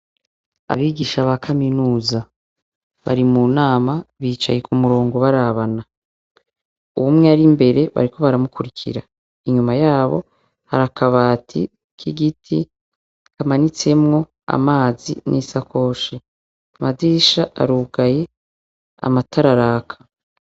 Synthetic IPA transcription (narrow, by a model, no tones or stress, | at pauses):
a̰βiːɡiːʃaβakʰaminuːza | βa̰ɾimunaːmaβiːt͡ʃa̰je̞kumuɾo̞ːŋɡo̞βaɾaβana | uβumŋeaɾimbe̞ɾe̞βa̰ɾikʰo̞βaɾamukuɾikʰḭɾa | iɲumajaːβo̞̰ | ha̰ɾakʰaβaːtʰḭ | kʰiɡitʰi | kamanit͡se̞mŋo̞ | a̰maːzḭnʔiːsakʰo̞ʃi | madiːʃaʔa̰ɾuːɡaje̞ | a̰matʰaɾaɾaːkʰḁ